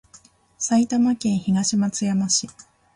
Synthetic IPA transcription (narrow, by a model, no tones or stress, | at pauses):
sait̪amakẽ̞ɰ̃çiɡaɕimat͡sɨjamaɕi